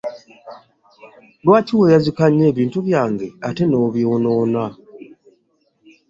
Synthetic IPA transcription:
lwaːciwejazikaɲːeːβiːntuβjaːŋɡeatenoβjoːnoːna

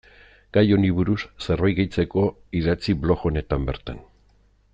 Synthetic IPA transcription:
ɡ̥ajo̞niβuɾusserojɣejt͡se̞ko̞iðat͡siβlo̞xo̞ne̞t̪ambe̞ɾt̪a̰n

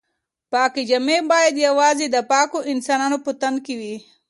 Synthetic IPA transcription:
paːkid͡ʒɐmẽːbaːed̪iɐʋaːzid̪ɐpaːkoʔɪnsaːnaːnopʊt̪ən̚kiʋiː

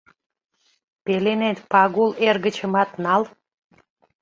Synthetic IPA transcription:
pelenet̪pɑɣulerɣət͡ɕə̆mɑt̪nɑl

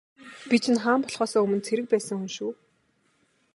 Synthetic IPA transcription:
pit͡ɕʰɪ̆nχaːmpɔɮχɔːsɔːɵmɵ̆nt͡sʰeɾɘ̆k̚pæːsə̆ŋxɵnʃuː

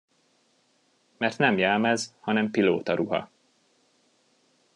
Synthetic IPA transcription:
mɛrt̪nɛmjɛlmɛzhɒnɛmpiloːt̪ɒɾʔuɦɒ̰

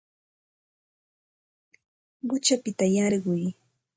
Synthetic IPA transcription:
ɢʊt͡ʃapɪt̪ajɑɾɢʊj

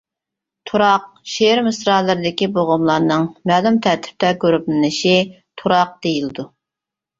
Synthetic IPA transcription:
t̪ʰuɾɑq̚ʃeɾmɨsɾɑːlˠɨɾɨd̪ɪkʲiboʁʊmlˠɑɾnɨŋmæːlumt̪ʰæɾt̪ʰɪ̥p̚t̪ʰɛkʲøɾypnnɨʃi | t̪ʰuɾɑq̚d̪̥ejilɨd̪u

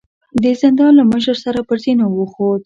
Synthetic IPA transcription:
d̪əzɪnd̪ɑnlaməʃ̬əɾsaɾapəɾzinowəxod̪̚

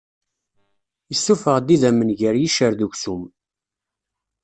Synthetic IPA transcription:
jəsːufəʁd̪iðæmːənʝəɾjiʃəɾðuçsum

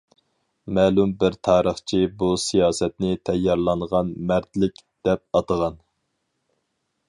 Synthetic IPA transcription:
mɛːlˠumbɪɾt̪ʰɑːɾəχt͡ʃʰibusijɑːsɛt̪nɪt̪ʰɛjːɑɾlˠɑɴʁɑnmæɾt̪lɪkʲd̪̥ɛp̚ɑt̪əʁɑn

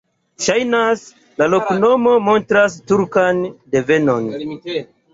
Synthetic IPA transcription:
ʃajnas | lalo̞kno̞mo̞mo̞ntɾas̬tuɾkande̞ve̞no̞n

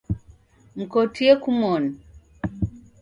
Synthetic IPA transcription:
m̩kɔtʰiekumɔni

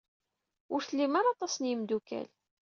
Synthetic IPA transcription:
ʊɾθəlːimaɾɑt̪ˤɑsənjəmd̪ukæ̰l

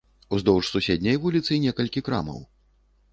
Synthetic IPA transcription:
uzd̪ɔwʐsusʲɛd̪ʲnʲɐjvulʲit̪sɨnʲɛkɐlʲkʲikɾa̰mɐ̰w

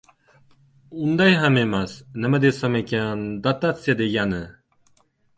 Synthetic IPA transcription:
und̪ɑjɦamemasnɨmad̪esamekʲand̪at̪at̪sijad̪eɡʲanɨ

